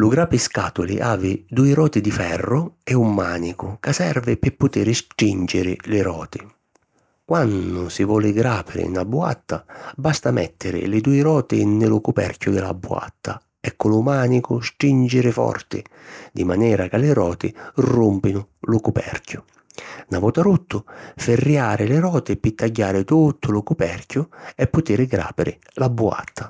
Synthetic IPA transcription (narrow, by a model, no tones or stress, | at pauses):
lʊɡɾaːpɪskaːt̪ʊlɪ̰ʔaːvɪd̪uːɪɾɔːt̪ɪd̪ifɛrːʊɛumːaːnikʊkasɛrvɪpɪpːʊt̪ɪɾɪst̪ɾind͡ʒɪɾɪlɪɾɔːt̪ɪ | kwanːʊsɪvɔːlɪɡɾaːpɪɾɪ̰nabːua̰t̪ːabast̪amɛ̰t̪ːɪɾɪ̰lɪd̪uːɪɾɔːt̪ɪnːɪlʊkupɛ̰rkjʊd̪ɪla̰bːua̰t̪ːa | ɛkːʊlʊmaːnikʊstind͡ʒɪɾɪfɔ̰rt̪ɪ̰d̪imanɛːɾakalɪɾɔːt̪ɪrumpinʊ | lʊkupɛ̰rkjʊ | navɔt̪aɾut̪ːʊfɪrːjaːɾɪlɪɾɔːt̪ɪpɪt̪ːaɟːaːɾɪt̪ut̪ʰːʊlʊkupɛrkʲjʊɛpːʊt̪iɾɪɡɾa̰ːpɪɾɪ̰ | labːua̰t̪ːḁ